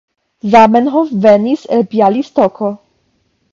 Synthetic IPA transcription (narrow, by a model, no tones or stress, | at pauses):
zamɛnɦofvɛnisɛlpjalist̪ɔkʰo